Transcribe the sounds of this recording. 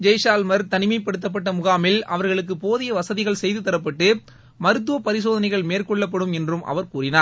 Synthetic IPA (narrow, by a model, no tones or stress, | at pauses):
d͡ʒɐjsaːlmɐɾt̪ɐnɪmɐɪpːɐɽɯt̪ːɐp̬ːɐʈːɐmʊɣaːmɪlɐʋɐɾɣɐɭɯk̬ːɯpoːðɪjɐʋɐsɐðɪɣɐɭsɛjðɯt̪ːɐɾɐp̬ːɐʈːɯ | mɐɾɯt̪̬ːɯʋɐpɐɾɪsoːðɐnɐɪɣɐɭmeːrkɔɭːɐp̬ːɐɽɯmɛndrɯmʔɐ̰ʋɐɾkuːrɪnaːɾ